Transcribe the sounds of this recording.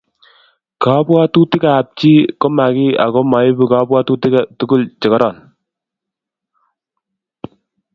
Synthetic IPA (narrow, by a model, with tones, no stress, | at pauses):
ka˨˦bwa˦tu˦tɪ˦ka˨p̚t͡ʃi˦kɔ˦ma˨kɪ˦a̰˨kɔ˦ma˨ɪ˦bu˨ka˦bwa˦tu˦tɪ˦ka˨tu˦kʊ˦lt͡ʃɪ˨kɔ˦ɾɔ˨n